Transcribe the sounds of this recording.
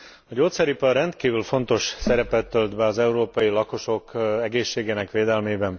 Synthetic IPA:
ɒɟoːt̪sɛɾipɛɾɛnt̪kiːvylfo̞nt̪o̞ʃsɛɾɛpɛt̪ːøld̪bɛɒzɛuɾoːpɒjilɒko̞ʃo̞kɛɡeːʃːeːɡeːnɛkʋeːd̪ɛlmeːbɛn

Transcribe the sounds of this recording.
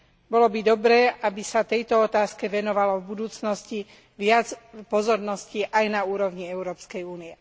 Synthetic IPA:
bɔlɔbid̪ɔbɾɛːʔabisat̪ɛjt̪ɔɔt̪aːskɛʋɛnɔʋalɔvbud̪uːt͡snɔsci | ʋɪad͡zpɔzɔɾnɔsciʔajnauːɾɔʊɲiɛʊɾɔːpskɛjuːniɛ

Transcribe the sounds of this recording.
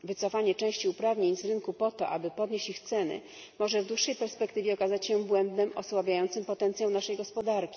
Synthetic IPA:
vɘt̪sɔfaɲɛt͡ʂɛ̃w̃ɕt͡ɕiupɾavɲeɲzɾɘnkupɔt̪ɔʔabɘpɔd̪ɲeɕt͡ɕixt̪sɛnɘ̰ | mɔʐɛvd̪wuʂːɛjpɛɾspɛkt̪ɘvʲjɛɔkazat͡ɕɕɛ̃bwɛnd̪nɛmʔɔ̰swabʲajɔnt̪sɘmpɔt̪ɛnt̪sʲjawnaʂɛjɡɔspɔd̪aɾkʲi̥

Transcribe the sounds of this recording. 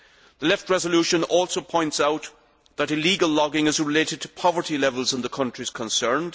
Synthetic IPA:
ðəlɛft̚ɹɛzəluʃə̃nɔlˠsoʊpʰɔ̃ɪ̃ntsaʊt̪ | ðəɾɪliɡəlˠlɔɡɪ̃ŋɪzɹɪleɪɾɨd̚tʰə̥pʰɑvə˞tilɛvəlˠzə̃nðəkʰʌ̃nt͡ʃɹ̥iz̥kʰə̃nsɜ̃˞nd̥

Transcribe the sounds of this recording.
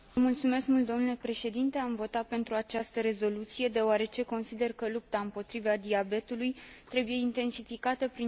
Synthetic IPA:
mult̪sume̞skmult̪d̪onulepɾe̞ʃe̞d̪int̪e̞amvo̞t̪at̪̚pe̞nt̪ɾuat͡ʃast̪əɾe̞zo̞lut̪sije̞d̪e̞oaɾe̞t͡ʃe̞ko̞nsid̪e̞rkəlup̚t̪aɨmpo̞t̪ɾivad̪iabe̞t̪ulujt̪ɾe̞buje̞int̪e̞nsifikat̪əpɾi

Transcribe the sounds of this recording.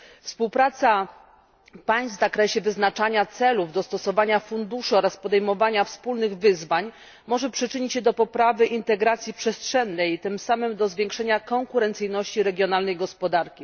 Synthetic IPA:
fspuwpɾat̪sa | paj̃st̪vzakɾɛɕɛvɘznat͡ʂaɲat̪sɛluvd̪ɔst̪ɔsɔvaɲafund̪uʂɘɔɾaspɔd̪ɛjmɔvaɲafspulnɘɣvɘzvaɲ | mɔʐɛpʂɘt͡ʂɘɲit͡ɕɕɛd̪ɔpɔpɾavɘʔint̪ɛɡɾat̪sʲjipʂɛstʂɛnːɛjt̪ɘmsamɘmd̪ɔzvʲjɛ̃ŋkʂɛɲakɔŋkuɾɛnt̪sɘjnɔɕt͡ɕiɾɛɡʲjɔnalnɛjɡɔspɔd̪aɾkʲi

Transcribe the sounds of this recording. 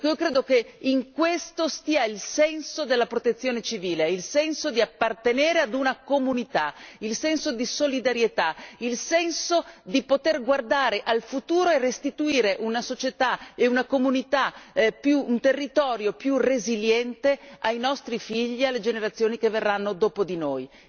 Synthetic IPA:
iːokɾeːd̪okeiŋkwest̪ost̪iːailsɛnsod̪elːapɾot̪et̪sːjoːnet͡ʃiviːleilsɛnsod̪iapːart̪eneːɾead̪unakomunit̪ailsɛnsod̪isolid̪aɾjet̪ailsɛnsod̪ipot̪erɡward̪aːɾeʔalfut̪uːɾoerest̪it̪uiːɾeʔunasot͡ʃet̪aeunakomunit̪apjuunt̪erːit̪ɔːɾjopjureziljɛnt̪eajnɔst̪ɾifiʎːialːed͡ʒeneɾat̪sːjoːnikevːerːanːod̪oːpod̪inoːj

